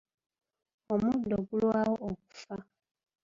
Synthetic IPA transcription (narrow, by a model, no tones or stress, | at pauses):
omũdɔɡulwawɔʔok̚u̥fa